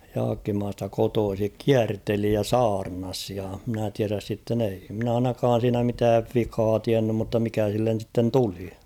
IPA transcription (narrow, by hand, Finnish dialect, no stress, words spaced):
jɑːkːimɑːstɑ kotoːsik kiærteli jɑ sɑːrnɑs jɑ mɪ̆næ tiæræs sitːen ei mɪ̆næ ɑinɑkɑːn̞ siːnæ mitæːʋ ʋikɑː tiænːym mutːɑ mikæ silːen̞ sitːen tuli